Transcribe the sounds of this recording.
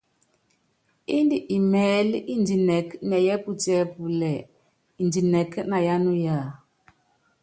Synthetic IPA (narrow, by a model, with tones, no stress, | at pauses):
i˦ndi˨ʔi˨mɛ˨˦lʔi˦n˨di˨nɛ˨knɛ˨jɛ˦pu˦tɛ˦pu˨lɛ˨ | i˨n˨di˨nɛ˨kna˨ja˦nu˦ja˦˨